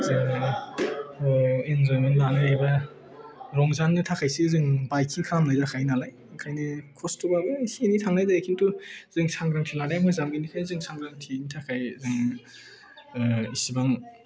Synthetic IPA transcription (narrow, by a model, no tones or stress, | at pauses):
zɯŋ | inzɔjminlanɯajbɐ | ɾɔŋzanːitʰakʰajsizɯŋbajkʰiŋkʰɾamlajdɾakʰajnalaj | akʰajnikʰɔstʰubabɯhenitʰaŋnajdajakʰintuz̥ɯŋsaŋɡɾaŋtʰilaɾajmazamɡinikʰazɯŋsʰaŋɡɾaŋtʰinitʰakʰajzɯŋ | isibaŋ